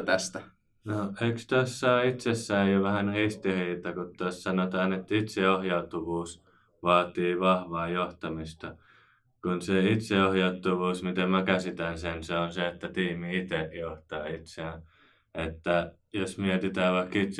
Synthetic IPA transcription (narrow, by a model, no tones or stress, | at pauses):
t̪æst̪æ | noeikst̪æsːɑːit̪sesːæːjjoʋæhænrist̪iriːt̪ɑkut̪ːɑssɑnot̪ɑːnet̪ːit̪seohjɑut̪ːuʋuːs | ʋɑːt̪iːʋɑhʋɑːjoht̪ɑmist̪ɑ | kunseit̪seohjɑut̪ːuʋuːsmit̪emækæsit̪ænsenseonseet̪ːæt̪iːmiit̪eʔjoht̪ɑ̰ːit̪seæ | et̪ːæ | josmiet̪it̪æːʋɑikːit̪s